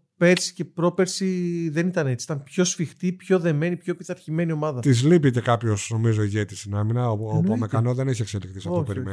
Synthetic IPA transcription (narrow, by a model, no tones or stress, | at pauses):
pe̞t͡si̥ce̞pɾo̞pe̞ɾsiðe̞nit̪ɐne̞t͡si̥it̪ɐnpço̞sfixt̪ipço̞ðe̞me̞nipçoepiθɐɾçime̞nio̞mɐðɐt̪izlipice̞kɐpço̞sno̞mizo̞iʝet̪isinɐminɐoopomekɐnoðe̞neçie̞kselikt̪isɐft̪oopeɾmen